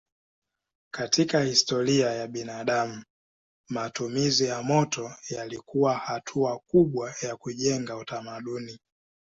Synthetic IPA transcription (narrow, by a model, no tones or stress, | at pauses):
katʰikahistɔɾiajaɓinaɗamu | matumizijamɔtɔjalikuwahatʰuakuɓwajakuʄɛŋɡautamaɗuni